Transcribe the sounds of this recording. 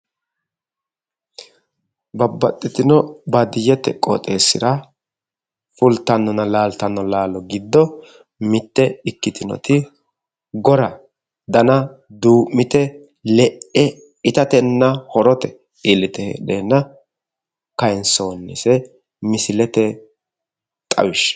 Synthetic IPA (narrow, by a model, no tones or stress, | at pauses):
bɐbːɐt̪ʼːɪt̪ɪnɔbɐd̪ɪjɛt̪ɛkʼɔ̰t̪ʼeːsːɪɾɐ | fʊlt̪ːɐnːɔnɐlaːlt̪ɐnːɔlaːlɔɡɪd̪ːɔ | mɪt̪ːɛɪkːɪt̪ɪnɔ̰t̪ɪ | ɡɔɾɐ | d̪ɐnɐd̪uːmːɪt̪ɛ | lɛʔɛ | ɪt̪ɐt̪ɛnːɐhɔɾɔt̪ɛ | ɪlːɪt̪ɛhḛːɗeːnːɐ | kɐjnso̞ːnːɛsɛ | mɪsɪlɛt̪ɛ | t̪ʼɐ̰wɪʃ